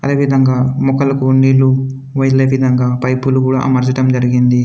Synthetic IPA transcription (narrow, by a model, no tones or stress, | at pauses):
ɐd̪e̞ːʋid̪ʱɐŋɡaːmɔkɐlɐkuɳːiːlːu | ʋɐjleːʋid̪ʱɐŋɡaːpɐjpulukuːɽa̰ːʔɐ̰mɐɾt͡ʃɐʈɐmd͡ʒɐɾiɡind̪i